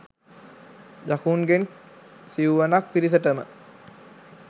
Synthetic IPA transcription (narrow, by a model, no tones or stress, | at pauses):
jakuːnɡen | siuʋanak̚piɾis̬əʈəmə̰